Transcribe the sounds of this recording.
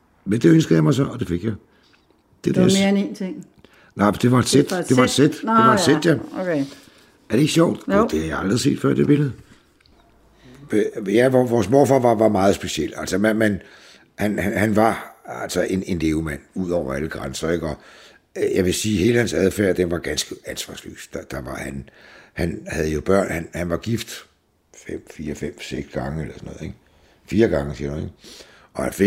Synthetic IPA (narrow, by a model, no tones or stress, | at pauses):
mend̥e̝ønsɡ̥ð̩ˠjɑmɑ̈ɪsɒ̽nɒd̥e̝fe̝ɡ̥jɑ̈ɪ | d̥ed̥menḛːnt͡sʰeŋ̰ | nɑ̈ɪ̰d̥e̝ʋɑ̈ed̥sed̥e̝ʋɑd̥sed̥eʋɑ̈d̥sed̥jæ | æɐd̥e̝e̝ɡ̥ɕjɒʊ̰d̥d̥e̝hæjaɑ̈ld̥ʁise̝̰ːd̥fɶ̰ɐ̰d̥eb̥e̝lð̩ˠ | jæʋʋɒːsmoːfɑ̰̈ːʋɑ̈ʋɑ̈mɑ̈ːð̞̩ˠsb̥e̝ɕiel̰æl̰səmemen | hænhænhænʋɑ̈ælsɒʔe̝ne̝nle̝ːʊmæn̰uð̰ˠɒʊ̰ɐæləɡ̥ʁansɐeɡ̥ɒ̽ | jɑʋe̝siːhe̝ːləhænsæðˠfæɐd̥enʋɑ̈ɡ̥ænsɡ̥əænsʋɑ̈ːslø̰ːsd̥ɑd̥ɑ̈ʋɑ̈hænhænhæð̩ˠəjo̝b̥ɶɐ̰nhænhænʋɑ̈ɡ̥ifd̥ | fem̰fiːɐfem̰seɡ̥sɡ̥ɑ̈ŋəelɐsɒnːɔ̽ːð̩ˠeɡ̥ | fiːɐɡ̥ɑ̈ŋəsḭɐhuneɡ | ɒ̽hænfe